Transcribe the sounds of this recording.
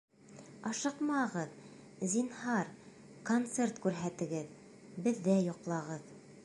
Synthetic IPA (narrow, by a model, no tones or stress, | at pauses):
ɑʃɤqmɑʁɤð | zinhɑɾ | kont̪sert̪kʉɾɦæt̪ɘ̆ɡɘð | bɘ̆ðːæjŏqlˠɑʁɤð